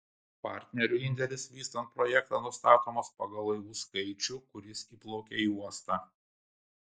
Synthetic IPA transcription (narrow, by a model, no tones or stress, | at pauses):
pɑ̰ˑɾʲt̪ʲnʲɛɾʲʊɪnʲd̪ʲɛlʲɪsʋʲiːst̪ɐnt̪̚pɾɔjɛkt̪ɑnʊst̪ɑːt̪oːmoːspɐɡɐlˠːɐɪʋuːskɐɪt͡ʃʲʊkʊɾʲɪsiːplˠoːkʲeiuɔst̪ɑː